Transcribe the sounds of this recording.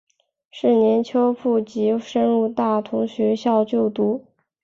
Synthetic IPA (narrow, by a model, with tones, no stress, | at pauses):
ʂɻ̩˥˩njɛ˧˥nt͡ɕʰjo˥ʊpʰu˥˩t͡ɕi˧˥ʂə˥nɻu˥˧t̪a˥˩t̪ʰʊ˧˥ŋɕɥɛ˧˥ɕjɑ˥˧ʊt͡ɕjo˥˩ʊt̪u˧˥